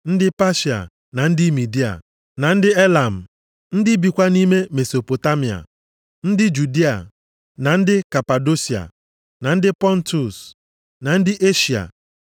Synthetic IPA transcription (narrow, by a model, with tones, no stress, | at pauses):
n̩˦dɪ˦pa˦ʃi˨a̰˨ | na˨n̩˦dɪ˦mi˨di˦a̰˨ | na˨n̩˦dɪ˦e˦la˨m̩˨ | n̩˦dɪ˦bi˨kʷa˦ni˦me˦me˨so˨po˨ta˦mi˨a̰˨ | n̩˦dɪ˦d͡ʒu˨di˦a̰˨ | na˨n̩˦dɪ˦ka˨pa˨do˦si˨a̰˨ | na˨n̩˦dɪ˦pɔ˦n̩˦tu˨s | na˨n̩˦dɪ˦ʔe˦ʃi˨a̰˨